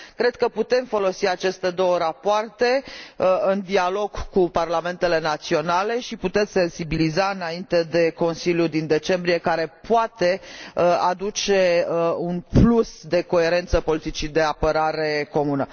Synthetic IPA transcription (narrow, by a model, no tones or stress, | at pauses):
kɾe̞d̪̚kəput̪e̞mfo̞lo̞siat͡ʃe̞st̪e̞d̪o̞wəɾapoart̪e̞ | ɨnd̪ialo̞ɡkuparlame̞nt̪e̞le̞nat̪sio̞nale̞ʃiput̪e̞t̪sʲse̞nsibilizaɨnaint̪e̞d̪e̞ko̞nsiljud̪ind̪e̞t͡ʃe̞mbɾije̞kaɾe̞poat̪e̞ad̪ut͡ʃe̞unplusd̪e̞ko̞e̞ɾe̞nt̪səpo̞lit̪it͡ʃid̪e̞apəɾaɾe̞ko̞munə